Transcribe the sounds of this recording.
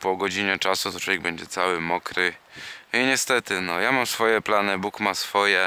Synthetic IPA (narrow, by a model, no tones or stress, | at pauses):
pɔɡɔd͡ʑiɲɛt͡ʂasut̪ɔtʰwɔvʲjɛɡ̚bɛɲd͡ʑɛt̪sawɘmɔkɾɘ | iɲɛst̪ɛt̪ɘnɔjamamsfɔjɛplanɘbukmasfɔjɛ